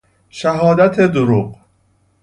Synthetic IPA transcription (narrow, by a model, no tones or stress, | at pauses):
ʃæɦɒːd̪æt̪ʰed̪oɾuq